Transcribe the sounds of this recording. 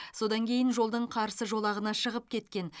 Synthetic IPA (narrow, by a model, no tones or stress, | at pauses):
so̞d̪ɑŋkʲʰe̞jɪnʒo̞lˠd̪əɴqʰɑɾsəʒo̞lˠɑʁənɑʃəʁəp̚kʲʰe̞t̪kʲe̞n